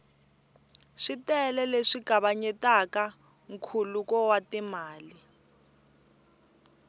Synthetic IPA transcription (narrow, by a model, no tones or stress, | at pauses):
ʂitɛlɛleʂiɡ̥ʱaβaɲɛtaka | ŋ̩kʰulukɔwatimaːli